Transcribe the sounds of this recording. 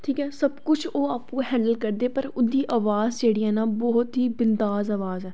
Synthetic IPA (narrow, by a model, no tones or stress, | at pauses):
ʈʰiːkɛːsəbkʊt͡ʃʰoːaːpkoːɦɛ̃ːɳɖəlkəɾd̪eːpəɾʊd̪iːʔaːʋaːzd͡ʒeːɽiːɦɛːnaːbɔːʊt̪ɦiːbɪnd̪aːzaːʋaːzɦɛː